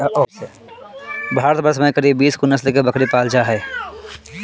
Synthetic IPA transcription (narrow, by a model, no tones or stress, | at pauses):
ɔːe | bʱaːɾət̪bəɾsmẽkɐɾiːbːiːskunɐslkebɐkɾipaːld͡ʒaɦɛː